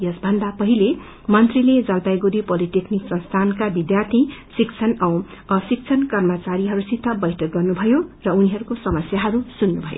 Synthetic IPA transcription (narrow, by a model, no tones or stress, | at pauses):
jʌsbʱʌnd̪apʌɦile | mʌnt̪riled͡zʌlpajɡuɾipoliʈekniksʌnst̪ʰankabid̪jart̪ʰisikt͡sʰʌnʌw | ʌsik̚t͡sʰʌnkʌrmat͡saɾiɦʌɾusit̪ʰːʌbʌjʈʰʌk̚ɡʌrnubʱʌjorʌuniɦʌɾukosʌmʌsjaɦʌɾusunːubʱʌ̰jo̰